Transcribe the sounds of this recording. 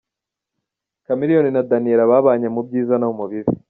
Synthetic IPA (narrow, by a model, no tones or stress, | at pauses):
kamiɾijoninadaniɾaβaːβaːɲemub̚ɟiːzanaumuβiɾḭ